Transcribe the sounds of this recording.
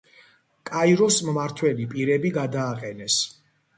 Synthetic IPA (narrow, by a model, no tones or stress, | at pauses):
kʼajɾɔsmmaɾt̪ʰwɛlipʼiɾɛbiɡad̪aːqʼɛnɛs